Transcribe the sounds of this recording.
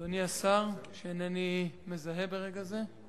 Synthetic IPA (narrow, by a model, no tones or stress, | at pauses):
oniasaʁʃeenenime̞zaɦebe̞ʁe̞ɡaze̞